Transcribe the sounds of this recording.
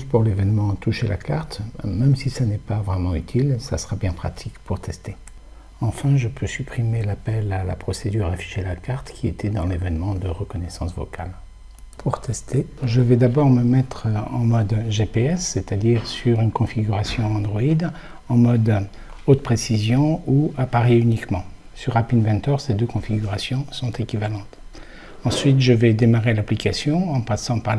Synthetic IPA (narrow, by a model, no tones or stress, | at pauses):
spuʁlevɛnmɑ̃t̪uʃelʔa̰kaʁt̪mɛmsisanɛpavʁɛmɑ̃yt̪ʰilsasəʁabjɛ̃pχa̰t̪ʰikpuʁt̪ʰɛst̪e | ɑ̃fɛ̃ʒəpʰøsypχimelapɛlala̰pχɔsed̪yʁafi̥ʒelakaʁt̪kʲiet̪ʰɛd̪ɑ̃levɛnmɑ̃d̪əʁəkɔnɛsɑ̃svɔ̰ka̰l | pʰuʁt̪ɛst̪ʰeʒəvɛd̪abɔʁməmɛt̪χɑ̃mɔd̪ʒepeɛsːet̪ad̪iʁsyʁynkɔ̃fiɡʲyʁasjɔ̃ɑ̃d̪ʁɔid̪ | ɑ̃mɔd̪ | ot̪pχesizjɔ̃uapaʁeynikmɑ̃ | syʁapinvɛ̃t̪œʁsed̪økɔ̃fiɡʲyʁasjɔ̃sɔ̃t̪ekʲivalɑ̃t̪ | ɑ̃sɥit̪ʒəvɛd̪emaʁelaplikasjɔ̃ɑ̃pasɑ̃paʁ